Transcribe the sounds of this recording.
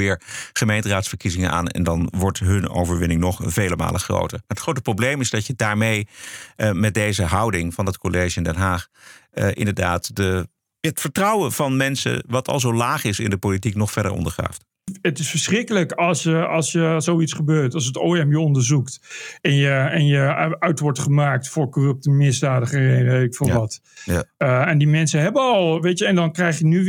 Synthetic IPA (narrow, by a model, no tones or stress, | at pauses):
ɪːɹχəmejntəraːtsfəɹkizɪŋəna̰ːnɛ̰ndɑnʋɔɹtɦɵno̰wvəɹʋɪnɪŋnɔχv̥ejləma̰ːləχro̰wtə̰ɹmaːɹətχrowtəprowblejmɪzdɑcədaːɹmej | mɛt̚dejzəɦʌwdɪŋvɑndɑtkʰolejʒəɪndɛnɦaːχʔɪ̰ndəɹdaːtdə | ətfəɹtrɑwənv̥ɑnmɛnsə̰ʋɑtʰɑ̰lˠzowlaːχɪsɪ̰ndəpolitiknɔχfɛɹdə̰ɹʔɔ̰ndəχa̰ːft | ətɪsfəɹsχrɪkələkɑlˠsjəɑlˠsjəsowitsχəbøːɹtɑls̬ətoːɛmjəɔndəɹzuktɛnjəɛnjəœɥtʋɔɹtχəmaːk̚tfʊːɹkorɵp̚təmɪzdaːdəχəɛʋetɪkfɪlʋɑt | ɛndimɛnsəɦɛbənɑlˠʋejtjəɛndɑnkrɛjχjəny